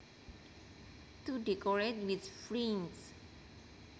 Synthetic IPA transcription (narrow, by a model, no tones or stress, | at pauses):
tudɛkɔɹet̚witfɹĩns